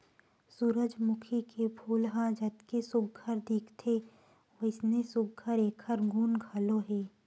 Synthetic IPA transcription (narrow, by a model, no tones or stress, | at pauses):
suːɾəd͡ʒmʊkʰikʰepʰuːlɦãd͡ʒət̪kesʊɡ̚ɡʱəɾd̪ɪkʰt̪ʰe | oɪsnesʊɡ̚ɡʱəɾeːkʰəɾɡʱuːnɡʱəloɦɛː